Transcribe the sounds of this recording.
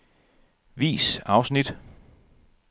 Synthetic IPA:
ʋḭːsɑ̈ʊsnid̥

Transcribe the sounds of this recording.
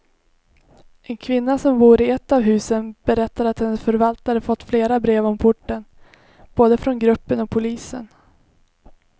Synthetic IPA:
ʔɛnkʰvɪnːasɔmbuːɾɪɛt̪ːavɦʉ̟ːsənb̥ɛɾɛt̪ːaɾat̪hɛnːəsfœɾvalt̪aɾəfɔt̪ːfleːɾabɾeːvɔmpʰʊʈːən | b̥oːd̪əfɾɔnɡɾɵpːənɔk̚pʰʊliːsə̰n

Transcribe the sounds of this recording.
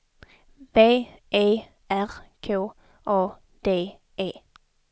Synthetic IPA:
b̥eːʔeː | ʔæʁkʰoː | ʔoː | d̪̥eː | ʔeː

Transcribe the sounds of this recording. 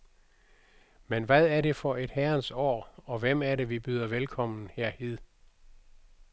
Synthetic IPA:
menʋæðˠæɐɾe̝fɒ̽e̝d̥hæɐnsɒ̰ːɒ̽ʋem̰æɐɾe̝ʋib̥yð̞ˠɐʋelkʰɒ̽m̰n̩heɐ̰he̝ð̰ˠ

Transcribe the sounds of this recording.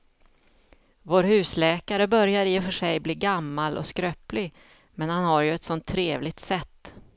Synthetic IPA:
voːɾhʉ̟ːslɛːkaɾəbœɾjaɾɪɪfœʂɛjbliːɡamːalʔɔ̰skɾœːplɪɡ | mɛnhanhaɾjɵɛt̪sɔnt̪ʰːɾeːvlɪɡ̚t̪sɛt̪ː

